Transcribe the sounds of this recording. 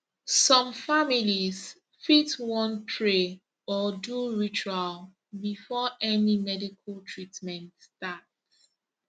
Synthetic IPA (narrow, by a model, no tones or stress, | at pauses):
sɔ̃mfamiliz | fitwɔ̃npʰɹe | ɔduɹit͡ʃual | bifɔʔɛnimɛdikʰəltʰɹitmɛ̃ntstat